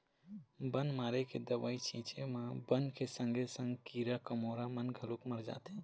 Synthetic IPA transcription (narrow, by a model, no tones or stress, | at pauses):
bənmaːɾeked̪əbaːit͡ʃĩt͡ʃemãbənkesə̃ŋɡʱesə̃ŋɡkiːɾakəmoːɾamənɡʱəlukməɾd͡ʒa̰ːt̪ẽ